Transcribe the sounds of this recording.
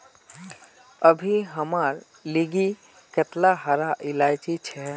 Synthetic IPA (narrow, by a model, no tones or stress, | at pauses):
əbʱiɦəmaɾ | liɡi | ket̪laɦaɾaʔilajd͡ʒit͡ʃʰɛ